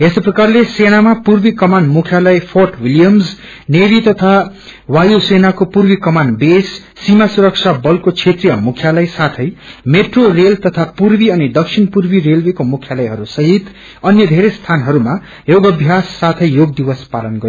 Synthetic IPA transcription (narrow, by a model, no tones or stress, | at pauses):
esoprʌkarleseñamapurbikʌmanmukʰjalʌjpʰorʈwiljʌmz | nebit̪ʌt̪ʰa | wajosenakopurbikʌmanbesː | imasuɾʌk̚t͡sʰabʌlkot͡sʰet̪rijʌmukʰjalʌjsat̪ʰʌjmeʈrorelt̪ʌt̪ʰapurbiʌnid̪ʌksʰinpurbirelwekomukʰjalʌjɦʌɾusʌɦit̪ | ʌnjʌd̪ʱeɾest̪ʰanɦʌɾuma | joɡʌbʱjasːat̪ʰʌjjoɡ̚d̪iwʌspalʌnɡʌɾ